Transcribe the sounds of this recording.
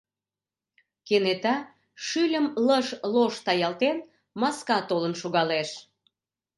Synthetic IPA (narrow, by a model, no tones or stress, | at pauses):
kenet̪ɑ | ʃylʲəmləʃloʃt̪ɑjɑlt̪en | mɑskɑt̪olənʃuɣɑleʃ